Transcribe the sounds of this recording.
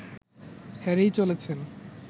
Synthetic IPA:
hɛɾejt͡ɕolet͡ɕʰen

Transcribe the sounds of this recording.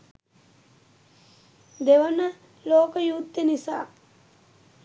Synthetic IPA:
d̪eʋənə | loːkəjut̪ːenisa̰ː

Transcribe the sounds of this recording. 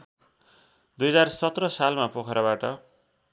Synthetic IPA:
d̪ujʌd͡zarsʌt̪rʌsalmapokʰʌɾabaʈʌ

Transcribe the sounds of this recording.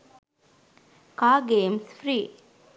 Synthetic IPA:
kaːɡeːmsfɾiː

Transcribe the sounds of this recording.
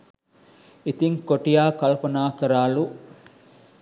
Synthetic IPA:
it̪iŋkoʈijaːkɐlpɐnaːkɐɾaːlu

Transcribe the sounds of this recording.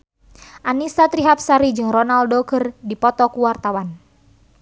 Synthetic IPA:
ʔanisat̪ɾiɦap̚saɾid͡ʒɨŋrɔnaldoɡərdipɔt̪ɔkuwart̪awan

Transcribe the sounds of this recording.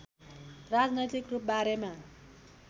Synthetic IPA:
rad͡znʌjt̪ikrup̚baɾema

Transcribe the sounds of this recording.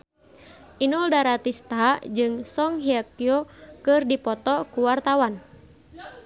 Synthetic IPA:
ʔinɔldaɾat̪ist̪ad͡ʒɨŋsɔŋɦiakiɔkɨrdipɔt̪ɔkuwart̪awan

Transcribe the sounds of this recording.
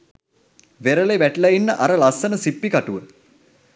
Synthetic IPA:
ʋeɾəleʋæʈlɐinːəʔaɾəlasːənəsipːikaʈuʋə

